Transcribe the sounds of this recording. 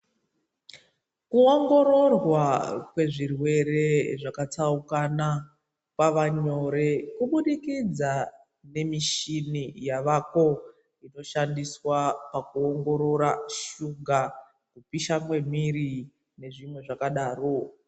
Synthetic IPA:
kuoŋɡo̞ɾo̞rwakwe̞ʐirwe̞re̞ʐakat͡saukana | pwaʋaɲo̞ɾe̞kuɓuɗikid͡za | ne̞miʃinijaʋako̞ | ino̞ʃandiswapakuoŋɡo̞ɾo̞ɾaʃuŋɡa | kupiʃamwe̞miri | ne̞ʐimwe̞ʐakaɗaːro

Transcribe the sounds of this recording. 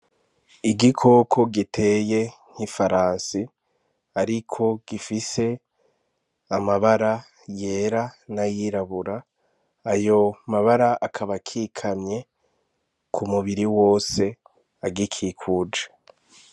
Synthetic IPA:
iɡikʰo̞kʰo̞ɡitʰe̞je̞ŋ̥hifaɾaːnsi | aɾikʰo̞ɡ̥ifise̞ | amaβaɾa | je̞ːɾanajiɾaβuɾaː | jo̞maβaɾaʔakʰaβakʰikʰamɲe̞ | kʰumuβiɾiwo̞ːse̞ | aɡikʰikʰuːd͡ʒe

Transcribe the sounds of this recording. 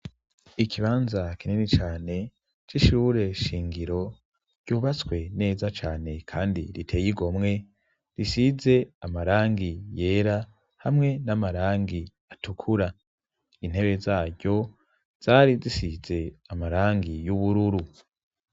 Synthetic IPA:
ikʰiβaːnzakinenit͡ʃaːne̞ | t͡ʃiʃuːɾe̞ʃiːŋɡiɾo̞ | ɟ̥uːβat͡swe̞ne̞ːzat͡ʃaːne̞kʰaːndiɾitʰe̞ːjiɡo̞mŋe̞ | ɾisize̞amaɾaːŋɡije̞ːɾa | hamŋe̞namaɾaːŋɡi | atukʰuɾa | in̥he̞βe̞zaːɟo̞ | z̥aːɾizisize̞amaɾaːŋɡijuβuɾuɾu

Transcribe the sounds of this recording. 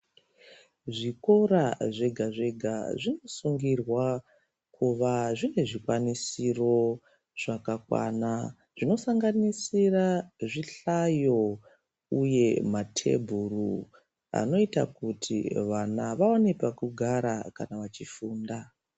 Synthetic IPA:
ʐiko̞ɾaʐe̞ɡʱaʐe̞ɡʱa̰ʐino̞suŋɡirwa | kʰuʋaʐine̞ʐikwanisiro̞ | ʐ̥akakwa̰na | ʐ̥ino̞saŋɡanisiraʐiɬajo̞ | uje̞matʰe̞̰bʱuru | a̰no̞ita̰kutʰḭʋanaʋawanipakuɡʱaɾaka̰naʋat͡ʃifuːnda

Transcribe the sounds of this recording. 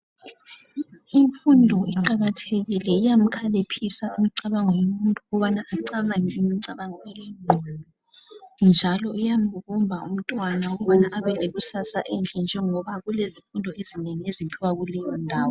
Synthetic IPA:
iɱfundʱɔiǃaɣatʰeɣilɛijam̩kʰalepʰisaimiǀaβaŋɔjɔmuntʼuuɣɔβanaːǀaβaŋiːmiǀaβaŋɔɛlɛŋ͡ǃʱɔnɔ | nd͡ʒʱalɔijam̩βuɣumbʱaum̩tʼwanauɣɔβanaʔːβɛleɣusasaʔɛnt͡ɬʼɛnd͡ʒʱɛŋɔβaɣuleziɱfundʱɔezineŋiezipʰiwaɣulɛjɔndʱaːwɔ

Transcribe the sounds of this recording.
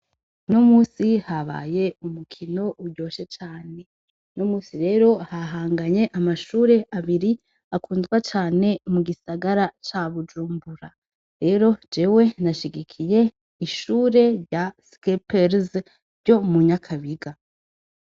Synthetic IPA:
nomuːsihaβa̰je̞umukʰino̞ʔuɾɟo̞ːʃe̞t͡ʃaːne̞ | nomuːsiɾe̞ːɾo̞haɦaːŋɡaɲe̞ʔamaʃuːɾe̞ʔaβiɾi | akʰuːndɡwat͡ʃaːne̞muɡisaɡaɾat͡ʃaβud͡ʒuːmbuɾa | ɾe̞ɾo̞d͡ʒe̞we̞naʃiɡikʰije̞ | iʃuːɾe̞ɾjaskepeɾz | ɾɟo̞muɲakʰaβiɡa

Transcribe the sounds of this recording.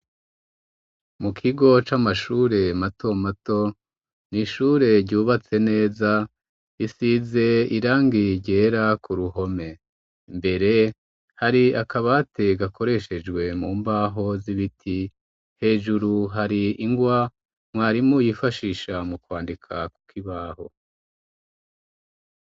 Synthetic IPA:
mukʰiɡo̞t͡ʃamaʃuːɾe̞matʰo̞mato̞ | niʃuːɾe̞ɾɟuːβat͡se̞ne̞ːza | isize̞iɾaːŋɡiɟe̞ːɾakuɾuɦo̞me̞ | mbe̞ɾe̞ | haɾiakaβate̞ɡakʰo̞ɾe̞ʃe̞d͡ʒɡwe̞muːmbaːɦo̞ziβitʰi | he̞ːʒuɾuɦaɾiiŋɡwa | mwaːɾimojifaʃiːʃamukwaːndikʰaku̥kʰiβaːho̞̰

